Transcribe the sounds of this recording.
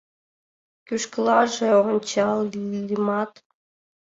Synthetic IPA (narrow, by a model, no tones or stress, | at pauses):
kyʃklɑʒĕoʁŏnʲt͡ɕɑllimɑt̪